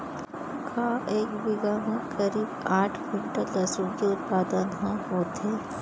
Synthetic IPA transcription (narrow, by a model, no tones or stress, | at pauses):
kʰaːeːkbɪɡamẽkɐɾiːbaːʈʰbɪɳʈəlɐsukeʊt̪̚paːd̪ənɦãɦoːt̪ɦeː